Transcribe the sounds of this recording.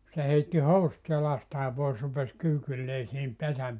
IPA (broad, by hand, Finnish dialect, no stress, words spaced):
se heitːi housŭt jɑlɑstɑː pois rupes kyːkylːeː sihim pesæm